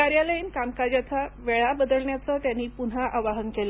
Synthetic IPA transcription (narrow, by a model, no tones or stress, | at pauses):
aɾjaləinkamkad͡ʑat̪ʰaʋeɭabəd̪əlɳjat͡sət̪janːiːpun̤aʔaʋaɦənkela